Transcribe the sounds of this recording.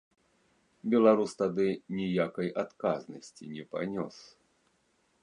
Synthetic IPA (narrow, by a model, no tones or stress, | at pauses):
bʲɛlˠaɾust̪ad̪ɨnʲijakɐjʔat̪kaznɐsʲt͡sʲinʲɛpanʲɔ̰s